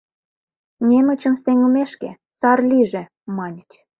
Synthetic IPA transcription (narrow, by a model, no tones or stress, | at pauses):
nʲemət͡ɕə̆mseŋəmeʃkḛ | sɑrlʲiʒe | mɑnʲət͡ɕ